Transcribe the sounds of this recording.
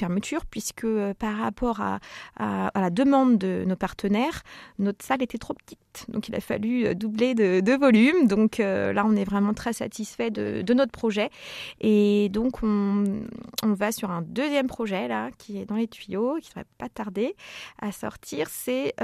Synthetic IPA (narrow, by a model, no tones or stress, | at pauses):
fɛʁmət̪ʰyʁpɥiskəøpaʁːapɔʁa̰aalad̪əmɑ̃d̪ːənopaʁt̪ʰənɛʁnɔt̪χsalet̪ɛt̪χopə̥t̪it̪d̪ɔ̰̃kilʔa̰fa̰lyø̰d̪ubled̪əd̪əvɔlymd̪ɔ̃kʰølaɔ̃nɛvʁɛmɑ̃t̪χɛsa̰t̪isfɛd̪ə̰d̪ənɔt̪χəpχɔʒɛed̪ɔ̃kʰɔ̃ | vasyʁɛ̃d̪øzjɛmpχɔʒɛlakʲʰiɛd̪ɑ̃let̪ɥijokʲi̥sʁɛ̰pat̪aʁd̪easɔ̰ʁt̪ʰiʁsɛ